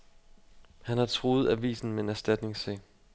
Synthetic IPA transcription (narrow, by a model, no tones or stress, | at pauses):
hænhɑ̈t͡sʰʁoːð̞̩ˠæʋḭːsn̩mee̝næɐsd̥æd̥ne̝ŋsɛ̰